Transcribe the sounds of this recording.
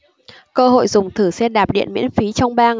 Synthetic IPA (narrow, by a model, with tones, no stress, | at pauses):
kəː˧ɦo̰˧˨jzʊ˨˩ŋ͡mt̪ʰɨ˧˩sɛ˧ɗaː˨˩p̚ɗḭ˧˨ənmḭ˧˥ənfi˨˦t͡ɕɔ˧wŋ͡mɓaː˧ŋ